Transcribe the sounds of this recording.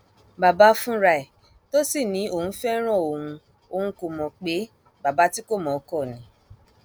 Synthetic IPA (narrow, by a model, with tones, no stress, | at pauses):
ba˨ba˧˦fũ˦ɾa˧i˨ | to˦si˦˨nĩ˨˦o˦˨hũ˧˦fɛ˦ɾ̃ɔ̃˦˨o˨hũ˧ | o˨hũ˨˦ko˧mɔ̃˨k͡pe˨˦ | ba˨ba˨˦ti˦ko˦˨mɔ̃˨˦kɔ˦˨nĩ˨˦